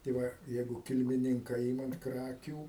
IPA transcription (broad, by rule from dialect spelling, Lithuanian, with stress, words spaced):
tɐɪ ˈʋɐ ˈjɛɪɡʊ kʲɪlʲmʲɪˈnʲɪŋkɐ ˈɪmɐm ˈkrɑːkʲuː